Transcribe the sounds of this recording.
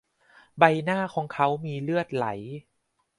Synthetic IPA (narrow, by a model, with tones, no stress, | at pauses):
ba˧jnaː˥˩kʰɔː˩˦ŋkʰa˦˥wmiː˧lɯ˥˩ət̪̚la̰˩˦j